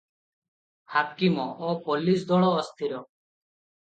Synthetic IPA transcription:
hakimɔopɔlis̬d̪ɔɭɔːst̪ʰiɾɔ

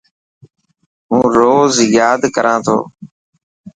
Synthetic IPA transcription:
ũːɾoːzjaːd̪kəɾʔãːt̪ʰo̰ː

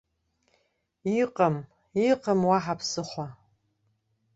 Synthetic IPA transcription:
iqʼɐm | iqɐmwaħapʰsɨχʷa

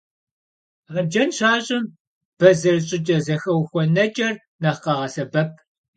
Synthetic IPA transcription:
ʁɐd͡ʒɐnɕaːɕʼɪm | b̥ɐzɐrɕʼɪt͡ʃʼɐzɐxɐwxʷɔnɐt͡ʃʼɐr | nɐqɐʁɐsɐbɐp̚ʰ

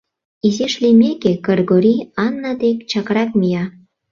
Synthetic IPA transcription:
izeʃlimekekɑrɡoɾiɑnːɑd̪ekt͡ɕɑkɾɑk̚mijɑ

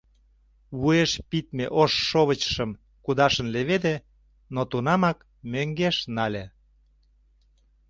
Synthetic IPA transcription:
βueʃpit̪̚mḛʔoʃːoβət͡ɕə̥ʃəm | kud̪ɑʃə̆nleβed̪e | not̪unɑmɑk | møŋɡeʃnɑlʲe

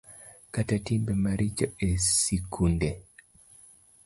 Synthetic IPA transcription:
katatimbɛmaɾʔid͡ʒɔesikʰunde

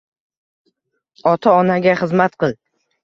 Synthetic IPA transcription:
ɒt̪ʰaɒnaɡʲaχɨzmat̪qʰɨlˠ

